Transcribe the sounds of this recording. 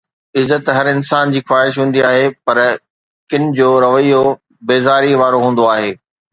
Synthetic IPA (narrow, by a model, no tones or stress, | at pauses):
ɪzət̪ɦɐɾɪnsaːnd͡ʑiːxwaːɦɪʃ̬ɦũːn̆d̪iaːɦepɐɾ | kɪnɪ̆d͡ʑoːɾɐʋəijo | beːzaːɾiʋaːɾoɦũːn̆d̪oaːɦeː